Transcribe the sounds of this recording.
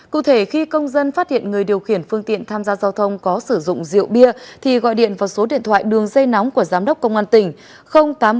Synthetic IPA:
kṵ˧˨t̪ʰe˧˩xi˧kə˧wŋ͡mzə˧nfaː˦˥t̚hḭ˧˨ənŋɨ˨˩əjɗi˨˩əwxi˧˩ənfɨ˧əŋt̪ḭ˧˨ənt̪ʰaː˧mzaː˧zaː˧wt̪ʰə˧wŋ͡mkɔ˨˦sɨ˧˩zʊ̰˧˨ŋ͡mzḭ˧˨əwɓi˧ət̪ʰi˨˩ɣɔ̰˧˨jɗḭ˧˨ənvaː˨˩wso˨˦ɗḭ˧˨ənt̪ʰwa̰ː˧˨jɗɨ˨˩əŋzə˧jna˨˦wŋ͡mku˧˩əzaː˨˦mɗə˦˥k͡p̚kə˧wŋ͡mʔaː˧nt̪ï˧˩ŋ̟ | xə˧wŋ͡mt̪aː˨˦m

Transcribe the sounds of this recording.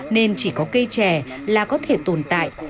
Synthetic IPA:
ne˧nt͡ɕi˧˩kɔ˨˦kə˧jt͡ɕɛ˧˩laː˨˩kɔ˨˦t̪ʰe˧˩t̪o˨˩nt̪a̰ː˧˨jʔ

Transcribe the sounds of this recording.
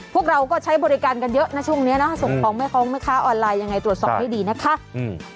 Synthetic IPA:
pʰu˥˩ək̚ɾa˧wkɔː˥˩t͡ɕʰa˦˥jbɔː˧ɾi˦˥kaː˧nka˧njɤ˦˥ʔna˦˥t͡ɕʰu˥˩əŋni˦˥ɐnɔ˦˥a˥˩so˨˩ŋkʰɔː˨˧˦ŋma˥˩jkʰɔː˦˥ŋma˥˩jkʰaː˦˥ʔɔː˧nlaː˧jːa˧ŋːa˧jt̪ɾu˨˩ət̪sɔ̰ː˨˩p̚ha˥˩diː˧na˦˥kʰa˦˥

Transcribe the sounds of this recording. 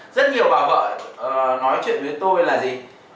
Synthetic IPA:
zə˦˥t̚ɲi˨˩əwɓaː˨˩wvə̰ː˧˨˩nɔ˨˦jt͡ɕwḭ˧˨ənvi˨˦ənt̪o˧jlaː˨˩zi˨˩

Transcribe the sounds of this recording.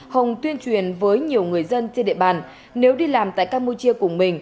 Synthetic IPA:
hə˨˩wŋ͡mt̪wi˧ənt͡ɕwi˨˩ənvəː˨˦jɲi˨˩əwŋɨ˨˩əjzə˧nt͡ɕe˧nɗḭ˧˨ɓaː˨˩n | ne˨˦wɗi˧laː˨˩mt̪a̰ː˧˨jkaː˧mpu˧t͡ɕi˧əkʊ˧˩ŋ͡mmï˨˩ŋ̟

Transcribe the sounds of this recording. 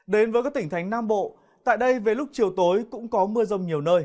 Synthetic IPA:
ɗe˨˦nvəː˨˦jkaː˦˥kt̪i˧˩ŋ̟t̪ʰa˨˦jŋ̟naː˧mɓo̰˧˨ | t̪a̰ː˧˨jɗə˧jve˨˩lʊ˦˥k͡p̚t͡ɕi˨˩əwt̪o˨˦jkʊ̰˧˥ŋ͡mkɔ˨˦mɨ˧əzə˧wŋ͡mɲi˨˩əwnəː˧j

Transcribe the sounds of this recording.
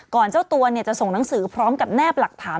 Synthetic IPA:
kɔː˨˩nt͡ɕaː˥˩wt̪u˧ɐni˥˩ɐt͡ɕa˨˩ʔso˨˩ŋna˨˩˦ŋsɯː˩˦pʰɾɔː˦˥mka˨˩p̚nɛː˥˩p̚la˨˩k̚t̪ʰaː˩˦

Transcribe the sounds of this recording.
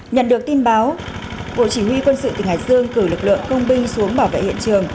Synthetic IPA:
ɲə̰˧˨nɗɨ˨˩ək̚t̪i˧nɓaː˨˦w | ɓo̰˧˨t͡ɕi˧˩hwi˧kwə˧nsɨ̰˧˨t̪ï˨˩ŋhaː˨˩k̚z̥ɨ˧əŋkɨ˧˩lɨ˨˩k̚lɨ̰˧˨əŋkə˧wŋ͡mɓi˧ŋ̟su˨˦əŋɓaː˧˩wvḛ˧˨hḭ˧˨ə˨nt͡ɕɨ˨˩əŋ

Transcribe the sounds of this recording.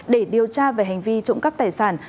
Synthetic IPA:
ɗe˧˩ɗi˨˩əwt͡ɕaː˧ve˨˩ɦa˨˩ŋ̟vi˧t͡ɕʊ̰˧˥ŋ͡mkə˦˥p̚t̪aː˨˩jsaː˧˩n

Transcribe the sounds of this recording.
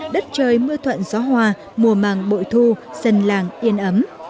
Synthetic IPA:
ɗə˦˥t̚t͡ɕəː˧˨jmɨ˧ət̪ʰwə̰˧˨nzɔ˨˦ɦwaː˧ | mu˨˩əmaː˨˩ŋɓo̰˧˨jt̪ʰu˧zə˧˩nlaː˨˩ŋʔi˧ənʔə˨˦m

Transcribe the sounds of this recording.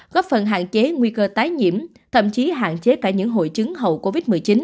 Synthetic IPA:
ɣɔ˦˥p̚fə˨˩nɦa̰ː˧˨nt͡ɕe˨˦ŋwi˧kəː˧t̪aː˨˦jɲḭ˧˨əm | t̪ʰə̰˧˨mt͡ɕi˨˦ɦa̰ː˧˨nt͡ɕe˨˦kaː˧˩ɲɨ̰˧˥ŋɦo̰˧˨jt͡ɕɨ˨˦ŋɦə̰˨˩wko˧vi˦˥t̚mɨ˨˩əjt͡ɕi˨˦n

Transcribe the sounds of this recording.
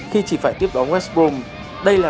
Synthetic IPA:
xi˧t͡ɕi˧˩faː˧˩jt̪i˦˥əp̚ɗɔ˨˦nwɛ˦˥s̚ɓo˧m | ɗə˧jlaː˨˩

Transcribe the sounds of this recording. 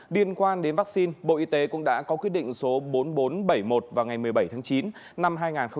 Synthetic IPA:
li˧ənkwaː˧nɗe˨˦nvaː˦˥k̚si˧nɓo̰˧˨ʔi˧t̪e˨˦kʊ̰˧˥ŋ͡mɗa̰ː˧˥kɔ˨˦kwət̚ɗḭ̈˧˨ŋ̟so˨˦ɓo˨˦nɓo˨˦nɓə˧˩jmo˨˩t̚vaː˨˩wŋa˨˩jmɨ˨˩əjɓə˧˩jt̪ʰaː˨˦ŋt͡ɕi˨˦n | na˧mɦaː˧jŋaː˨˩nxə˧

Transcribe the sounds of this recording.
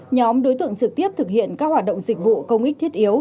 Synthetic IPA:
ɲɔ˨˦mɗo˨˦jt̪ɨ̰˧˨əŋt͡ɕɨ˨˩k̚t̪i˦˥əp̚t̪ʰɨ˨˩k̚hḭ˧˨ənkaː˦˥k̚hwaː˨˩t̚ɗə̰˧˨ŋ͡mzï˨˩k̟̚vṵ˧˨kə˧wŋ͡mʔi˦˥k̟̚t̪ʰi˦˥ət̚ʔi˨˦əw

